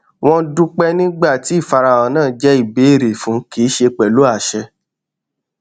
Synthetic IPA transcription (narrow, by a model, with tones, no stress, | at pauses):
w̃ɔ̃˧du˦k͡pɛ˦nĩ˦ɡ͡ba˦˨ti˨˦i˦˨fa˧ɾa˧˨wɔ̃˨˦nãː˦˨d͡ʒɛ˦i˦˨be˨˦e˦˨ɾe˨fũ˨˦ki˨˦ʃe˧k͡pɛ˨lo˨˦a˦˨ʃɛ˧